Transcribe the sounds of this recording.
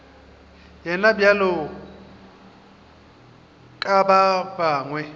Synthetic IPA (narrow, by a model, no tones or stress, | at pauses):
jɛnabjalʊ | kʼababaːŋwɛ